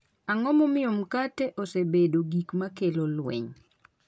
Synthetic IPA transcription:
aŋɔmɔmɪomkateʔosebedoɡikmakelolwɛ̰ɲ

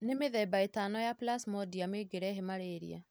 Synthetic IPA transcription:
nemeðɛbaetanɔjaplasmɔdiameɡeɾɛɦemaɾeɾḭa̰

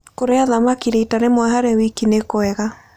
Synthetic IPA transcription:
koɾeaðamakiɾeitaɾemwaɦaɾɛwikinekoɛɣa

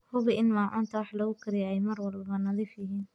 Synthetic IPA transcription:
hʊβɪʔɪnmaːʕʊːnt̪ʰɐwɑħlɐɣʊkʰɪɾɪjɛjmɐrwɑlbbɐnɐðiːfjɐɦiːn

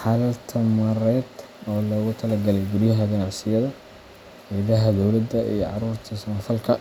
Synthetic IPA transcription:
ħɑlɐlt̪ʰɐmɐɾɛːd̪ | ɔːlɐɣʊt̪ʰɐlɐɡɐlɛjɡʊrjɐɦɐɡɐnɑʕsɪjɐðɐ | ɛðɐɦɐd̪ɔwlɐd̪ɐḭjɔʕɑɾuːrt̪ʰɐsmɐfɐlkʰɐ

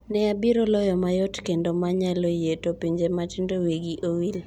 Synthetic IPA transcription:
nɛabiɾolɔjɔmajɔtkendomaɲalojetopiɲd͡ʒematɪndoweɡiʔowil

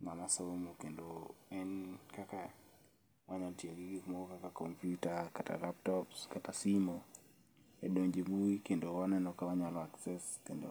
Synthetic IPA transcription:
ŋamasomokendoɛnkaka | waɲantiaɡiɡikumɔɡokakakɔmpjutakata̰laptɔpskatasimo | ɛdoɲd͡ʒebuikendowanɛnɔkawaɲalɔaksɛskendo̰

